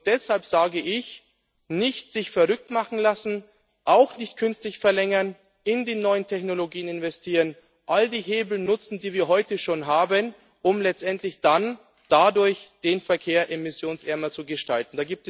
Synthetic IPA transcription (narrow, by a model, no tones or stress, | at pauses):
d̥ɛshalpz̥aːɡəʔɪç | nɪçtz̥ɪçfɛɐʁʏk̚tmaχn̩lasn̩ | ʔaʊxnɪçtkʰʏnstlɪçfɛɐlɛŋɐn | ɪndiːnɔʏəntʰɛçnoloɡiːənɪnvɛstʰiːʁən | ʔaldiːɦeːbl̩nʊt͡sn̩diːviːɐɦɔʏtəʃoːnɦaːbən | ʔʊmlɛt͡stʔɛntlɪçd̥an | d̥adʊɐçd̥eːnfɛɐkʰeːɐʔɛmɪsjoːnsʔɛɐmɐt͡suɡəʃtaltn̩d̥aːɡiːp̚t